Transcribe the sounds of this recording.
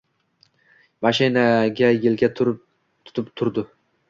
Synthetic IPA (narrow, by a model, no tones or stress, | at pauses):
maʃɪnaɡʲajelɡʲat̪ʰ | t̪ʰʊ̥t̪ʰɪpt̪ʰʊɾd̪ɪ